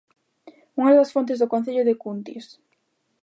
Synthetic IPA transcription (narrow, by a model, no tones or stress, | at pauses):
uŋaðɐsfont̪̬ezðokon̟θeʎoðekunt̪ḭs